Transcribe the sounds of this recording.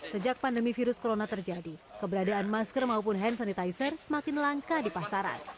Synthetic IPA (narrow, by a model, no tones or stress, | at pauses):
səd͡ʒak̚pandəmifiɾʊskoɾonat̪ərd͡ʒadikəbəɾadaːnmaskərmaup̬ʊnɦɛnsanit̪ajsərsəmakɪnlaŋkadipasaɾa̰n